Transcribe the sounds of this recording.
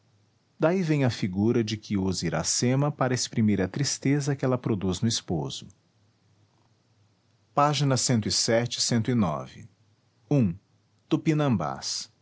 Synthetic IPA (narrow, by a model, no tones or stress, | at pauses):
d̪aivẽj̃ɐfiɡuɾɐd͡ʒɪkʰɪuziɾa̰sẽmɐpaɾɐespɾimiɾɐt̪ɾist̪ezɐkɪɛlɐpɾod̪uznʊispoz̥ʊ | paʒinɐsẽnt̪ʊisɛt͡ʃɪ̥sẽnt̪ʊinɔ̰vɪ̰ | ũ | t̪upinɐ̃ba̰s